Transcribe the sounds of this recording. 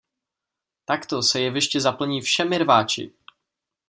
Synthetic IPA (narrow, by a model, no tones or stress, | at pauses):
t̪akt̪osɛjɛvɪʃcɛzapl̩ɲiːfʃɛmɪɾvaːt͡ʃɪ̰